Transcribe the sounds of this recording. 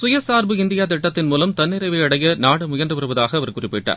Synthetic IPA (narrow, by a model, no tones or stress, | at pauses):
sʊjɐsaːɾbɯɪnd̪ɪjaːt̪ɪʈːɐt̪ːɪnmuːlɐmt̪ɐnːɪɾɐɪʋɐɐɽɐjɐnaːɽɯmʊjɐndrɯpɐɾɯʋɐðaːɣɐɐʋɐɾkʊrɪpːɪʈːa̰ːɾ